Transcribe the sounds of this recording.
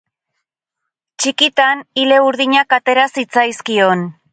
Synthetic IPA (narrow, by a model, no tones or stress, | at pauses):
t͡ʃikit̪anile̞uɾðiɲakat̪e̞ɾasit͡sajskio̞n